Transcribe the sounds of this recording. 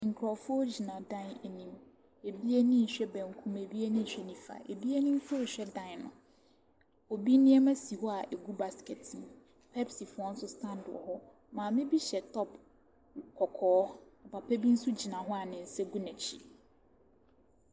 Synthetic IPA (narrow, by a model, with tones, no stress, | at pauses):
ŋ̩˨kʰɾɔ˨fʊ˦ɔ˦d͡ʑi˨nã˨dã˦nɛ˨nĩ˨m | e˨bi˦e˦nĩ˦n̩˨ɕᶣɛ˦bæ̃˨ŋ˨kʰũ˦me˨bi˦e˦nĩ˦n̩˨ɕᶣɛ˦nĩ˦fa̰˨ḛ˨bi˦e˦nĩ˦m̩˦fʊ˦ɔ˦˨ɕᶣɛ˦dã˦nnʊ̰̃˨ | o˨bi˦nɪ̃˦ɛ˦mæ̃˦si˨hɔ˦a˨ʔe˨ɡu˦ba˨ske˨tʰɪ̃˨n | pʰɛ˦psi˨fʊ˦ɔ˦n̩˦sʊ˦stʰã˦ndɔ̰˨hʊ˦ | mãː˨mɪ̃˦bi˦ɕɛ˨tʰɔ˦p | kʰɔ˨kʰɔː˨˦ɔ˨pa˨pʰæ˦bi˦n̩˦su˦d͡ʑi˨nã˨ɦʊ˦a˨nɪ̃˨n̩˨sɛ˦ɡu˦nɛ̃˨t͡ɕʰḭ˨